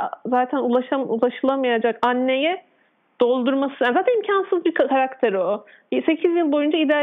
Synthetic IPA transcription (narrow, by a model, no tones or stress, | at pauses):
zaːt̪ʰænulˠaʃaulˠaʃɯlˠamajad͡ʒakanːe̞jɛ | d̪̥o̞lˠd̪uɾmasɯnjaːnzaːt̪ænimcʰansɯzbiɾkkʰaɾakt̪ʰeɾo | se̞cʰizjilˠbo̞jund͡ʒaid̪